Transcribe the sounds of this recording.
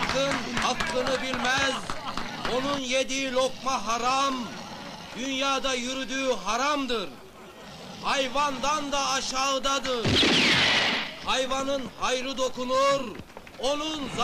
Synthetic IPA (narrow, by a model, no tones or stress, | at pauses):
kɯnhɑklˠɯnɯbilʲmæzo̞nunjed̪iilʲo̞kmɑɦɑɾam | d̪̥ynjaːd̪ɑjyɾyd̪yːɦɑɾamd̪ɯɾ | hɑjvɑnd̪ɑnd̪ɑːʃɑːɯd̪ɑd̪ɯɾ | hɑjvɑnɯnhɑjɾɯd̪o̞kunuɾ | o̞nunz